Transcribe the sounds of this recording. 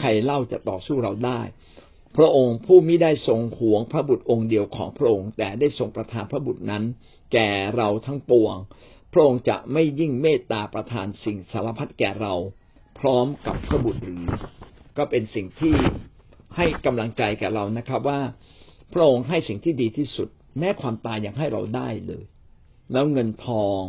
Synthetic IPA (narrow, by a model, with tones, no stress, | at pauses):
kʰa˧jla˥˩wt͡ɕa̰˨˩t̪ɔ̰ː˨˩suː˥˩ɾa˧wdaː˥˩j | pʰɾa˦˥ʔo˧ŋpʰuː˥˩mi˥˩jdaː˥˩jso˧ŋhu˩˦əŋpʰɾa˦˥bu˨˩t̪̚ʔo˧ŋdi˧əwkʰɔ̰ː˩˦ŋpʰɾa˦˥ʔo˧ŋt̪ɛː˨˩daː˥˩jso˨˧ŋpɾa˧t̪ʰaː˧npʰɾa˦˥bu˨˩t̪̚na˦˥n | kɛː˨˩ɾa˧wt̪ʰa˦˥ŋpu˧əŋpʰɾa˦˥ʔo˧ŋt͡ɕa̰˨˩ʔma˥˩jːi˥˩ŋmeː˥˩t̪ːaː˧pɾa˧t̪ʰaː˧nsi˨˩ŋsaː˩˦la˧˩pʰa˦˥t̪̚kɛː˨˩ɾa˧w | pʰɾɔː˦˥mka˨˩pʰːɾa˦˥˩bu˨˩t̪̚ɾɯː˩˦kɔː˥˩pe˧nsi˨˩ŋt̪ʰiː˥˩ | ha˥˩jka˧mla˧ŋt͡ɕa˧jkɛː˨˩ɾa˧wna˦˥kʰɾa˦˥p̚waː˥˩ | pʰɾa˦˥ʔo˧ŋɦa˥˩jsi˨˩ŋt̪ʰiː˥˩diː˧t̪ʰiː˥˩su˨˩t̪̚ | mɛː˦˥kʰwaː˧mt̪aː˧jːa˧ŋɦa˥˩jɾa̰˧wdaː˥˩jlɤ̰ː˧j | lɛː˦˥wŋɤ˧nt̪ʰɔː˧ŋ